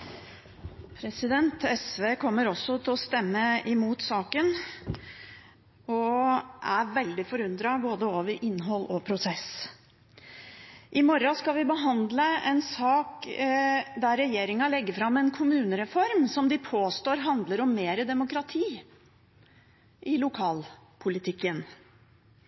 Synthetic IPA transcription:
pʰɾɛsɪd̪ɛnt̪ɛsʋeːkʰɔmːəɾɔsːɔt̪ʰɪlɔst̪ɛmːəɪmuːt̪sɑːkən | ɔʔæɾʋɛld̪ɪfɔɾʉnd̪ɾɑboːd̪əoːʋəɾʔɪnːɦɔlːɔpʰɾʊsɛs | ʔɪmɔɾɑskɑʋɪbəɦɑnd̪ləɛnsɑːk | d̪æɾːɛjeːɾɪŋɑlɛɡːəfɾɑmɛnkʰʊmʉːnəɾɛfɔɾmsɔmd̪ɪpʰoːst̪oːɾɦɑnd̪ləɾɔmːeːɾəd̪ɛmʊkɾɑt̪ʰiː | ʔɪlʊkʰɑːlpʰʊlɪt̪ʰɪkːən

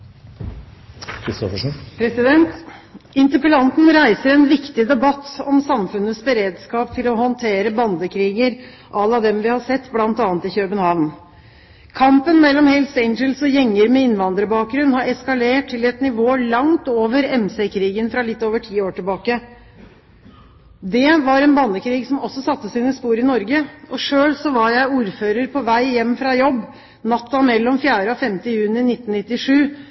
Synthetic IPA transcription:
kʰɾɪst̪ɔfəʂpʰɾɛsɪd̪ɛnt̪ɪnt̪əpəlɑnt̪n̩ɾæɪsəɾɛnʋɪkt̪ɪd̪ɛbɑt̪ːɔmsɑmfʉnːəsbəɾeːd̪skɑːp̚t̪ʰɪlɔhɔnt̪ʰeːɾəbɑnd̪əkʰɾiːɡəɾ | ʔɑlːɑʋd̪ɛmʋɪhɑsɛt̪ːblɑnt̪ɑːnət̪ɪçœbənhɑʋn | kʰɑmpənmɛlːɔmhɛlseɪnd͡ʒəlsɔjɛŋːəɾmɛɪnʋɑnd̪ɾəbɑːk̚ɡɾʉnːhɑɾɛskɑleːʈʰːɪlɛt̪nɪʋoːlɑŋt̪oːʋəɾɛmsɛkʰɾiːɡənfɾɑlɪt̪ːoːʋəʈʰiːoːʈɪlbɑːkə | d̪ɛʋɑɾɛnbɑnːəkʰɾiːɡsɔmɔsːɔsɑt̪ːəsiːnəspuːɾɪnɔɾɡəʔɔʂøːlsɔʋɑɾjæɪuːɾføːɾəɾpʰɔʋæɪjɛmːfɾɑjɔbː | nɑt̪ːɑmɛlːɔmfjæːɾəɔfɛmt̪əjʉːnɪnɪt̪ːnnɪt̪ːɪʂʉː

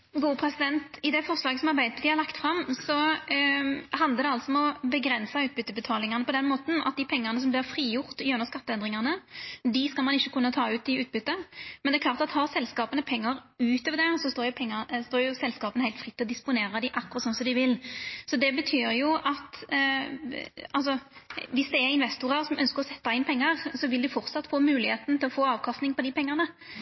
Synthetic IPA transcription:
ɡuːəpʰɾɛsɪd̪ɛnt̪ɪd̪ɛfɔʁslɑːɡəsɔmɑʁbæɪd̪əpʰɔd̪ɪhɑʁlɑkt̪fʁɑmːsɔ | ɦɑnd̪əɾd̪ɛɑlsɔmɛɔbəɡɾɛnsɑʉːt̪̚bʏt̪ːəbət̪ʰɑːlɪŋɑnəpʰɔd̪ɛnmoːt̪n̩ɑ̰t̪̚d̪ɪpʰɛŋːɑnəs̬ɔmb̪ɪʁfʁiːjʊʁt̪jʉnəʁskɑt̪ːəɛnd̪ʁɪŋɑnəd̪ɪskɑlmɑnɪçːəkʰʉnːət̪ʰɑːʉːt̪̚d̪ɪʉːt̪̚bʏt̪ːəmɛnd̪ɛkʰlɑːʁt̪ɑt̪hɑʁsɛlskɑːpənəpʰɛŋːɑɾʉːt̪ʰoːʋəʁd̪ɛsɔst̪oːjʊpʰɛŋːɑst̪oːjʊsɛlskɑːpənəhæɪt̪fʁɪt̪ːɪlɔd̪ɪspʊneːɾəd̪ɪʔɑkːʊʁɑt̪sɔnsɔmd̪ɪʋɪlsɔd̪ɛbət̪ʰyːɾjʊɑt̪ | ɑlsɔʋɪsd̪ɛːɾɪnʋɛst̪ʊʁəɾsɔmœnskəʁɔsɛt̪ːɑɪnpʰɛŋːɑʁsɔʋɪld̪ɪfɔʁt̪sɑt̪ːfoːmʉːlɪheːt̪n̩t̪ʰɪlɔfoːɑːʋkʰɑst̪nɪŋpɔd̪ɪpɛŋːɑʁnə

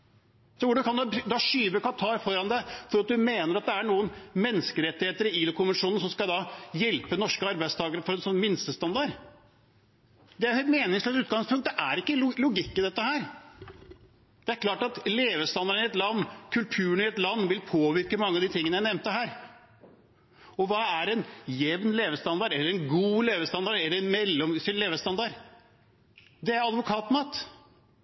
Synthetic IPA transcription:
sɔʋʊɖ̪kʰɑnd̪bd̪ɑʂyːʋəkɑt̪ʰɑːɾfɔɾɑnd̪ɛfɔɾɑt̪̚d̪ʉmeːnəɾɑt̪̚d̪ɛæɳuːənmɛnːskəɾɛt̪ːɪheːt̪əɾɪiːləkʊmənʂuːnn̩sɔmskɑd̪ɑjɛlpənɔʂkəɑɾbæɪd̪st̪ʰɑːɡəɾəfɔɾɛnsɔnːmɪnst̪əst̪ɑnd̪ɑɾ | d̪ɛæɾhmeːnɪŋsɛt̪ʉːt̪̚ɡɑŋspʰʊŋkt̪d̪ɛʔæɾɪkːəllʊɡɪkːəd̪ɛt̪ːəhæːɾ | d̪̥ɛæɾkʰlɑːʈɑt̪leːʋəst̪ɑnd̪ɑɾɳɪɛt̪lɑnːkʰʉlt̪ʰʉːənɪɛt̪lɑnːʋɪlpʰoːʋɪɾkəmɑŋːəɑʋd̪ɪt̪ʰɪŋːənəjæɪnɛmt̪əɦæːɾ | ɔʋɑːæɾɛnjɛʋnleːʋəst̪ɑnd̪ɑɖɛlːəɾɛnɡuːleːʋəst̪ɑnd̪ɑɾɛlːəɾɛnmɛlːɔmsɪlleːʋəst̪ɑnd̪ɑɾ | d̪ɛæɾɑd̪ʋʊkʰɑːt̪nɑt̪

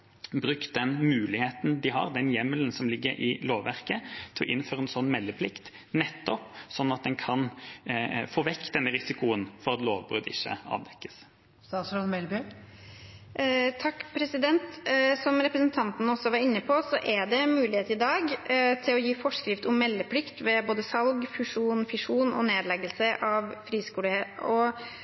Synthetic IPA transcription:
bɾʉkt̪̚d̪ɛnmʉːlɪheːt̪n̩d̪ɪɦɑ̰ʁd̪ɛnjɛmələnsɔmlɪɡːəɾɪloːʋʋæʁkət̪ʰɪlɔ̰ʔɪ̰nːføːɾəɛnsɔnːmɛlːəpʰlɪkt̪ | nɛt̪ːɔpsɔnːɑt̪̚d̪ɛnkʰɑn | foːʋɛkːd̪ɛnːəʁɪsɪkʊənfɔɾɑt̪loːʋbʁʉ̰ːd̪ɪ̰çːə̰ɑ̰ːʋd̪ɛkːə̥s | st̪ɑsɔnmɛlby | t̪ʰɑkːpʰɾɛsɪd̪ɛnt̪sɔmɾɛpɾəsnt̪ʰɑnt̪nɔsːɔʋɑɾɪnːəpʰɔsɔʔæɖɛmʉːlɪheːt̪ɪd̪ɑːɡt̪ʰɪlɔjiːfɔʂkɾɪft̪ʊmːɛlːəpʰlɪkt̪ʋɛboːd̪əsɑlɡfʉʂuːnfɪʂuːnɔ̰neːd̪lɛɡəlsəʔɑʋfɾiːskuːləheɔ

